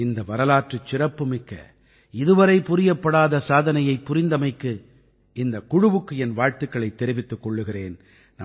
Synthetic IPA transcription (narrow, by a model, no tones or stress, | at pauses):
ɪnd̪ɐʋɐɾɐlaːʈrɯt͡ʃːɪrɐpːɯmɪkːɐ̰ | ɪðɯʋɐɾɐɪpʊɾɪjɐpːɐɽaːðɐsaːðɐnɐjɐɪpːʊɾɪnd̪ɐmɐɪkːɯ | ɪnd̪ɐkʊɽɯʋɯkːɯɛnʋaːɻt̪ɯkːɐɭɐɪt̪ːɛɾɪʋɪt̪ːɯkːɔɭːɯɣɪrḛːn | nɐ̰